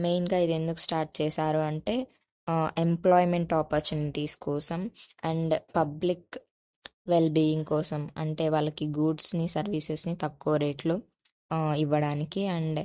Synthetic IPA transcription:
mejnɡaːid̪e̞nd̪uku̥sʈaːɾʈ̚t͡ʃɛːsaːɾuɐɳʈe̞ː | emplɔːjme̞ɳʈaːpɐɾt͡ʃjuːniʈiːskɔːsɐmɐɳɖpɐblik | ʋe̞lbiːjiŋɡkɔːsɐmɐɳʈe̞ːʋaːɭːɐkiɡuːɖsnisɐɾʋisesnit̪ɐkːɔːɐɾeːʈlu | iʋːɐɽaːnikiɐɳɖ

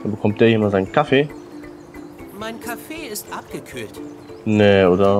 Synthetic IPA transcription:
danbəkʰɔmt̚d̥eːɐiːmazaɪnnkʰafeː | maɪnkʰafeːɪstʔap̚ɡ̥əkʰyːlt | neoːdɐ

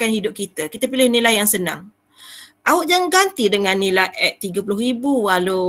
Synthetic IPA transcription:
kanhidʊp̚kit̪akit̪əpilɪhnilajaŋsənã̰ŋ | ʔaʊʔ̚d͡ʒaŋɡant̪idəŋanːĩlajʔɛt̪ːiɡəpulʊɦibuwalu

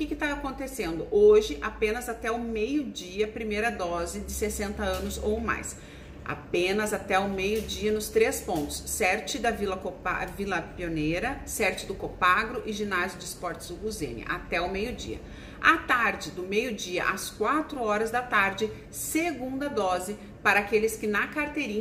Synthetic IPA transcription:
ʊkɪkɪt̪aakõnt̪esẽnd̪ʊʔoʒɪʔapẽnɐzat̪ɛʊmejʊd͡ʒiɐpɾimejɾɐd̪ɔzɪd͡ʒɪsesẽnt̪ɐɐ̃nʊzo̰wma̰js | a̰pẽnɐzat̪ɛʊmejʊd͡ʒiɐnʊst̪ɾespõnt̪ʊ̥sːɛɾt͡ʃɪd̪ɐvilɐkopa̰vilɐpioneɾɐsɛɾt͡ʃɪd̪ʊkopaɡɾʊʔɪʒinazjʊd͡ʒɪspɔɾt͡ʃɪ̥zd̪ʊɡuzḛ̃nɪ̰ʔa̰t̪ɛʊmejʊd͡ʒḭɐ̰ | at̪aɾd͡ʒɪd̪ʊmejʊd͡ʒiɐ̰ʔɐskwat̪ɾʊɔɾɐzd̪ɐt̪aɾd͡ʒɪ | seɡũnd̪ɐd̪ɔzɪ | paɾɐakelɪskɪnɐkaɾt̪eɾĩ

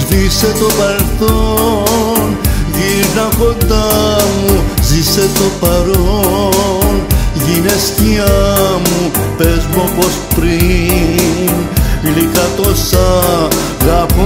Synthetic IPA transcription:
zviset̪obɐɾelθo | nʝiɾnɐkod̪amuziset̪opɐɾoo | nʝinest̪iɐmupezmopospɾi | n | likɐt̪osa | ɣɐfo

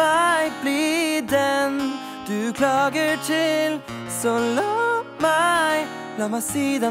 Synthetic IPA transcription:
aɪblid̪ɛn | d̪̥ʉkʰlɑːɡətʰɪl | sɔlɔmaɪ | blɑmasiːd̪a

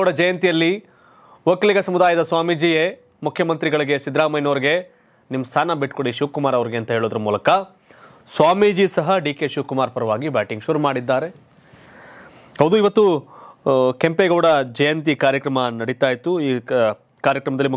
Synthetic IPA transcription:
ɐɽɐd͡ʒɛjɐnt̪ijɐlːi | ʋɐkːɐliɡɐsɐmud̪aːjɐd̪ɐsʋaːmid͡ʒije | mukʰjɐmɐnt̪ɾiɡɐɭiɡe̞sid̪ɾaːmɐjnoːɾiɡe̞ | nimːɐst̪ʰaːnɐbiʈkoɽiʃuːkumaːɾɐʋɐɾiɡeɐnt̪ɐɦeːɭoːd̪ɐɾɐmuːlɐkɐ | sʋaːmid͡ʒisɐɦɐɖiːkeʃuːkumaːɾpɐɾɐʋaːɡibaːʈiŋɡʃuɾumaːɽid̪ːaːɾe̞ | hɐwd̪uiʋɐt̪ːu | kempeɡɐʋɽɐd͡ʒɛjɐnt̪̬ikaːɾjɐkɾɐmɐnɐɽit̪aːjit̪ːuiː | kaːɾjɐkɾɐmɐd̪ɐlːim

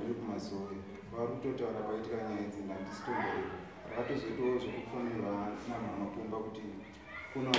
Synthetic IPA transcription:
irikumazoe | ʋarikuto̞tauɾakwaitikaɲajaed͡zindandisi̥tomdeeo | ʋa̰kato̞zo̞tooʐokufunirwanamwamakumbakuti | kuno

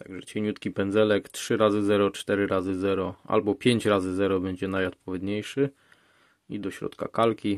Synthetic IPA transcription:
t̪aɡʐɛ̰t͡ɕɛɲut̪kʲipɛnd̪zɛlɛktʂɘɾazɘzɛɾɔt͡ʂt̪ɛɾɘɾazɘzɛɾɔa̰lbɔpʲjeɲt͡ɕɾazɘzɛɾɔbɛɲd͡ʑɛnajɔt̪̚pɔvʲjɛd̪ɲejʂɘ | id̪ɔɕɾɔ̰t̪ka̰kalkʲi

